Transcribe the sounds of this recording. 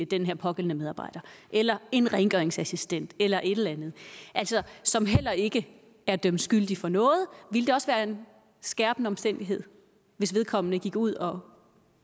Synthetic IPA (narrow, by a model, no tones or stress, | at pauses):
əd̥enɦeɐ̰pʰɒ̽ɡ̥el̰n̩əmeð̞ˠɑ̈ːb̥ɑ̈ɪ̰d̥ɐʔelɐe̝nʁɛŋɡ̥œɐeŋsæsisd̥en̰d̥elɐʔe̝d̥lænð̞̩ˠʔæl̰sɒ̽sɒ̽mɦel̰ɐe̝ɡ̥ə | æɐd̥ømd̥sɡ̥yl̰d̥ifɒ̽nɔ̽ːð̞̩ˠʋiləd̥eɒ̽sʋæːɐe̝n | sɡ̥æɐb̥nəɒ̽msd̥en̰d̥iɦe̝ð̰ˠ | ʋe̝sʋe̝ð̞ˠkʰɒ̽m̰ənəɡ̥iɡ̥uð̞̰ˠɒ̽